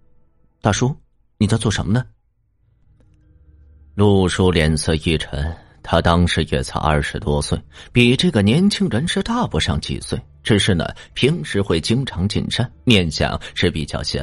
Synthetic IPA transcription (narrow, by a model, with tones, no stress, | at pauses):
t̪ʰa˥˩ʂwɔ˥ | ni˨˩t͡sjɑ˥˧ʊt͡swɔ˥˩ʂə˧˥mə˧nə˧ | lu˥˩ʂu˥ljɛ˧˥nsɤ˥˧i˥˩ʈ͡ʂʰə˧˥n | t̪ʰa˥t̪ɑ˥ŋʂɻ̩˧˥jɛ̰˨˩t͡sʰa̰˧˥ɪɐ̰˞˥˩ʂɻ̩˧˥t̪wɔ˥swe˥˩ɪpi˨˩ʈ͡ʂɤ˥˩ɡə˩njɛ˧˥nt͡ɕʰi˥ŋɻə˧˥nʂɻ̩˥t̪a˥˩pu˧˥ʂɑ˥˩ŋt͡ɕḭ˨˩swe˥˩ɪʈ͡ʂɻ̩˨˩ʂɻ̩˥˩nə̰˩pʰi˧˥ŋʂɻ̩˧˥xwe˥˩ɪt͡ɕi˥ŋʈ͡ʂʰɑ˧˥ŋt͡ɕḭ˨˩nʂa˥nmjɛ˥˧nɕjɑ̰˨˩ŋʂɻ̩˥˩pi˨˩t͡ɕjɑ˥˩ʊɕjɛ̰˧˥